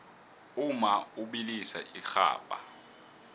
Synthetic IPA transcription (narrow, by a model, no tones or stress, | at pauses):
umauɓilisa̰ʔixa̰ːpʼa̰